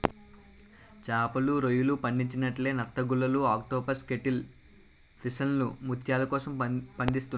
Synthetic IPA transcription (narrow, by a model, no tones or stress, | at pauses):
t͡ʃaːpɐluɾojulupɐɳɖiɲt͡ʃinɐʈle̞ːnɐt̪ːɐɡulːɐluaːk̚ʈɔːpɐɾske̞ʈil | pisɐnlṵmut̪ʰjaːlɐkɔːsɐmpɐɳɖ̪ist̪un